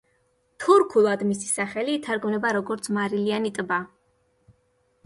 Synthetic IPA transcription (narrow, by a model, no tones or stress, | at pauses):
t̪ʰuɾkʰulˠad̪misi̥saχɛliːt̪ʰaɾɡmnɛbaɾɔɡɔɾt̪sʰmaɾilianit̪ʼba